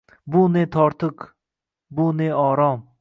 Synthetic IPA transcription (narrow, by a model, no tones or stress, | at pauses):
bunet̪ʰɔɾt̪ʰɨk | buneɔːɾɔm